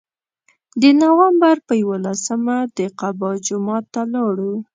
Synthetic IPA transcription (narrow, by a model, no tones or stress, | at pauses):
d̪ənawambaɾpəjawolasəmad̪əqabɑd͡ʒʊmɑt̪ːalɑɽu